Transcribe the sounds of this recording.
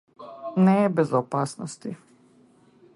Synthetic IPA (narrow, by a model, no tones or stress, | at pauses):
nɛbɛzɔpaːsnɔst̪i